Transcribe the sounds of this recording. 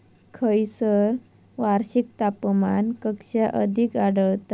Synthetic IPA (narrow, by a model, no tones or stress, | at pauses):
kʰəjsəɾ | ʋaɾɕik̚t̪apmankəkɕaʔəd̪ʱikaɽəɭt̪a